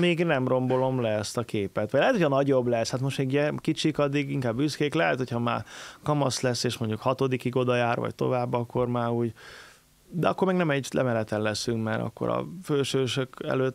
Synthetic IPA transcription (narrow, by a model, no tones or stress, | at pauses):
meːɡnɛmro̞mbo̞lo̞mlɛɛst̪ɒkeːpɛt̪ʋɒɟlɛɦɛt̪ʰocʰhɒnɒɟo̞blɛshat̪mo̞ʃt̪meːɡuɟɛkit͡ʃikɒd̪ːiɡiŋkaːbːyskeːklɛɦɛt̪hocʰhɒma̰ːrkɒmɒslɛsːeːʃmo̞ɲɟukhɒt̪o̞d̪ikiɡo̞d̪ɒjaːrvɒ̰ɟ̚t̪o̞̰vaːbːɒkːo̞rmaːɾuːɟ | d̪ɛɒkːormɛɡnɛmɛɟlɛ̰mɛlɛt̪ɛnlɛsyŋkmɛɾɒ̰kːo̰ɾɒ̰føːlʃøːʃøkɛ̰løːt̪